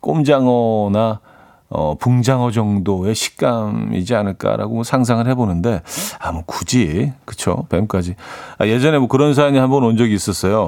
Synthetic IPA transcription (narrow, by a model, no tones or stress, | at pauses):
k͈omd͡ʑaŋʌna | ʌ̰puŋd͡ʑaŋʌd͡ʑʌŋdoe̞ɕʰi̥k̚k͈amḭd͡ʑianɯɭk͈a̰ɾa̰ɡomʌsʰaŋs̬ʰaŋɯɭhe̞bonɯnde̞amukud͡ʑikɯt͡ɕʰo̰pemk͈ad͡ʑiaje̞d͡ʑʌne̞mwʌkɯɾʌns̬ʰaiɲihanbʌnʌnd͡ʑʌɡiːs͈ʌs͈ʌjo